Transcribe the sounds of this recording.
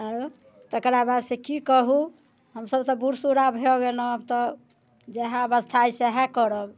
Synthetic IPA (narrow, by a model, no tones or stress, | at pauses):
əɾ | t̪əkɾabad̪sekikəɦu | ɦəmsəbt̪ɔbuɾsuɾabʱeɔɡelɔbt̪ɔ | d͡ʒeɦãəbəst̪ʰajseɦãkəɾɔk